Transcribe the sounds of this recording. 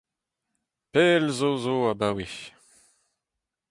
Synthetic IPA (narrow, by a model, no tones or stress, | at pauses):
pɛlzozoabawiç